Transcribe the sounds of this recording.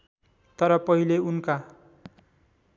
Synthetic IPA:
t̪ʌɾʌpʌɦileunka

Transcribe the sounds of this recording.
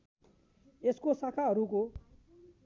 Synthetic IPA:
eskosakʰaɦʌɾuko

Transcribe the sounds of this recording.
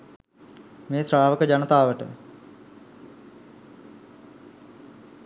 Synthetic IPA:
meːsɾaːʋəkəd͡ʒanət̪aːʋəʈə̰

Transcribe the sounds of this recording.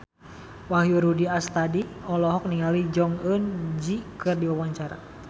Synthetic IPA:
wahjuɾudiast̪adiɔlɔɦɔk̚niŋalid͡ʒɔŋənd͡ʒikɨrdiwawaɲt͡ʃaɾa̰

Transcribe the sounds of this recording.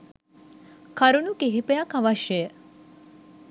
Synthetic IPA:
kʰɐɾunukeɦipejɐkɐʋaʃjəjə

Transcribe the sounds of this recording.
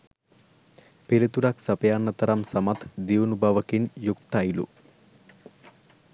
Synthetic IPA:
pelit̪uɾɐksɐpɐjaːnːɐt̪ɐɾɐmsɐmɐt̪d̪iunubʱaːʋɐkinjuk̚t̪ajilṵ

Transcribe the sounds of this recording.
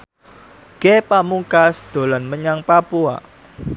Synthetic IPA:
ɡ̥epamuŋkasd̪̥o̤lanməɲaŋpapua̰

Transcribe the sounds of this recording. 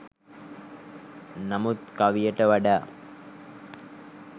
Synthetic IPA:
namut̪kaʋijəʈəʋaɖaː

